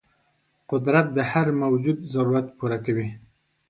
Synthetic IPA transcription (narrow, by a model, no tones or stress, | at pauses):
qʊd̪ɾat̪̚d̪əhaɾmawd͡ʒud̪zaɾuɾat̪puɾakawi